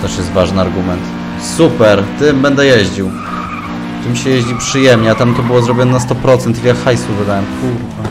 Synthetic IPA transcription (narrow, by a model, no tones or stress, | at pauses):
t̪ɛʂjɛst̪vaʐnɘaɾɡumɛnt̪ | supɛɾt̪ɘmbɛnd̪ɛjeʑd͡ʑiw | t̪ɘmɕɛjeʑd͡ʑipʂɘjɛmɲɛat̪amt̪ɔbɘwɔzɾɔbʲjɔnɛnast̪ɔpɾɔt̪sɛnt̪jiljakxajsuvɘd̪awɛmu | a